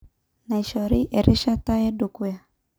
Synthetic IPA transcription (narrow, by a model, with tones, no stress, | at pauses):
na˨i˨ʃɔ˨ɾi˦ʔɛ˨ɾʔi˦ʃa˦ta˦ɛ˦du˨ku˦ja˨